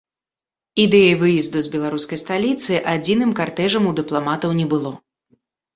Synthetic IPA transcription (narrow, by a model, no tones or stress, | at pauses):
id̪ɛjɐjvɨjizd̪uzbʲɛlˠaɾuskɐjst̪alʲit̪sɨʔad͡zʲinɨmkart̪ɛʐɐmud̪ɨplˠamat̪ɐwnʲɛbɨlˠɔ